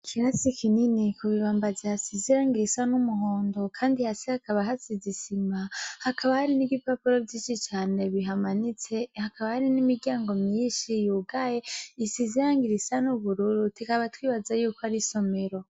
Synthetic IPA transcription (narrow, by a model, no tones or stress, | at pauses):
kʰiɾasikininikuβiβaːmbazihasiziɾaːŋɡiɾisanumuɦoːndo̞kʰaːndihasihakaβaɦasizisimahakaβahaɾiniɡipapuɾo̞vɟiːnʃit͡ʃaːne̞βiɦamanit͡se̞hakaβahaɾinimiɾɡaːŋɡo̞mɲiːnʃijuɡaje̞isiziɾaːŋɡiɾisanuβuɾuɾutikaβatwiːβazajuːkohaɾiso̞me̞ɾo̞